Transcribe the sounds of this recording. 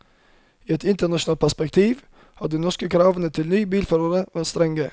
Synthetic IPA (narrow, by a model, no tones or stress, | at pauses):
iːɛt̪ʰɪnt̪əɳɑʃʊnɑːpʰæspɛkt̪ʰiːʋ | hɑd̪iːnɔʂkəkʰɾɑːʋənət̪ʰɪlnyːbiːlfœɾəɾəʋæt̪st̪ɾɛŋɡə